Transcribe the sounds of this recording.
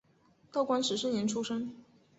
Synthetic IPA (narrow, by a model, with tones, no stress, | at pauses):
t̪ɑ˥˩ʊkwa˥nʂɻ̩˨˥ʂə˥ŋji˧˥nʈ͡ʂʰu˥ʂɤ˥ŋ